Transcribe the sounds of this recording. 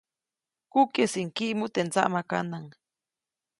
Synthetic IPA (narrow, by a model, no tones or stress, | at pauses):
kukesiŋkiʔmut̪ent͡saʔmaka̰naŋ